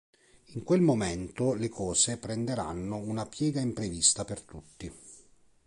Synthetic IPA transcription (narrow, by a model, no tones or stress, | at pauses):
iŋkwelmomɛnt̪olekɔːsepɾend̪eɾa̰nːounapjɛːɡaimpɾevist̪apert̪ut̪ːi